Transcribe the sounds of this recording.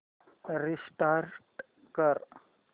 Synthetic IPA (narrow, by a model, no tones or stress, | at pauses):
ɾisʈaɾʈ | kəɾ